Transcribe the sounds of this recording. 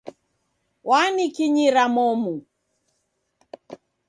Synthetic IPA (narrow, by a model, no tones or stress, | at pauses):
wanikiɲiɾamɔmu